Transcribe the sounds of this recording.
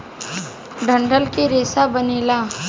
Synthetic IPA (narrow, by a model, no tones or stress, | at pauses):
ɖʱə̃ɳɖʱəlkiɾeːsabəneːlaː